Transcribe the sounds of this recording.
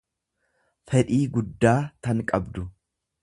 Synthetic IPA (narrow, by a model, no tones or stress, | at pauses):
fɛᶑiːɡʊd̪ːaːt̪ɐŋkʼɐbd̪ʊ